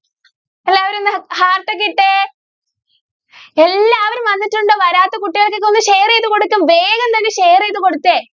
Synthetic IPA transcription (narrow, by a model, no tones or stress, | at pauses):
ɐlːaːɐʋɐɾonːhaːrʈːɐk̬ːiʈːe | elːaːʋɐɾumʋɐnːitːuɳɖɨʋɐɾaːt̪ːɐkuʈːiɣɐɭkːekːo̞nːɨɕe̞jrejðɨko̞ɽukːumʋeːɣɐmt̪ɐnːeɕejreðuko̞ɽut̪ːe